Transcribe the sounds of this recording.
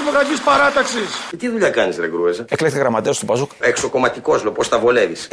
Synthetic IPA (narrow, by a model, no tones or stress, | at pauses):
moɣɐtispɐɾɐt̪ɐksist̪iðuʎɐkɐnisɾeɡɾuezɐeklekt̪eɣɾɐmɐt̪est̪opɐzukekso̞ko̞mɐt̪iko̞slopost̪ɐvole̞vis